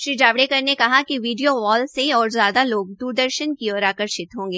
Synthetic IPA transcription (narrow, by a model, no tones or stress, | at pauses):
ʃɾid͡ʒaːʋɽekɐɾnekɐɦakiʋiːɖijoʋɔːlseɔːɾzjaːd̪aloːɡ̚d̪uːɾd̪əɾʃənkiɔːɾaːkəɾʃɪt̪ɦõːŋɡeː